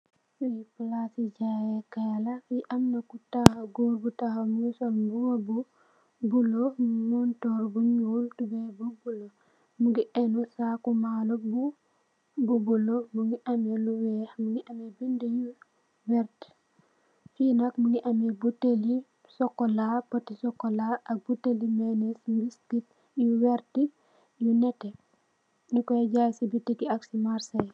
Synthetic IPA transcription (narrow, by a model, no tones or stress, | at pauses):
fuipulasid͡ʒajɛkalafiʔamnakutahaɡoɾbutahamuisɔlbuwabu | bulɔmɔntɔɾbuɲultubɛbubulɔ | muɡiʔɛnusakumalɔbu | bubulɔmuŋɡiʔɐmɛluwɛmuŋiʔɐmɛbindəju | wɛɾt | finakmuŋiʔɐmɛbutːeli | sɔkːɔlabɔtːisɔkːɔlaɐk̚butːelimɛnesɾiskit | juwɛɾti | junɛtːɛ | ɲikɔjɛɟajsibitːikiaksimaɾsɐj